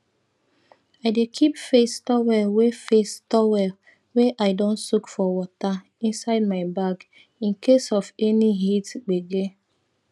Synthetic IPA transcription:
aɪdekʰipfestɔwɛlwefestɔwɛl | weʔaɪdɔ̃nsukfɔwɔta | ĩnsaɪd̚maɪbaɡ | ĩnkesɔfɛniɦitɡ͡beɡe

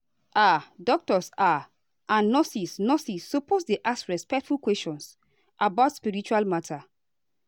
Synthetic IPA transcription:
ʔadɔk̚tɔsa | ʔãnːɔsisnɔsisːoposdeʔasɹɛspɛk̚tfulkwɛst͡ʃɔ̃ns | ʔabaʊtspiɹit͡ʃualmatʰa

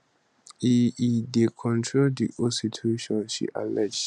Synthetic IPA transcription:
iidekʰɔ̃ntʰɹoldḭʔositʰeʃɔ̃nʃḭʔa̰lɛd͡ʒ

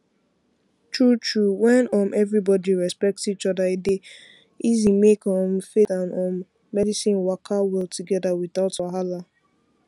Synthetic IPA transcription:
tʰɹutʰɹuwɛ̃nɔ̃mʔɛvɹibɔdiɹɛspɛk̚tit͡ʃɔdaide | izimekɔ̃mfetãnɔ̃mː | ɛdisĩnwakʰawɛltuɡɛdawiðaʊtɔɦala

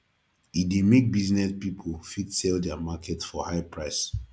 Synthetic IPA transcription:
idemek̚biznɛspipʰofidsɛldɛamakʰɛtfɔhaɪpʰɹaɪs

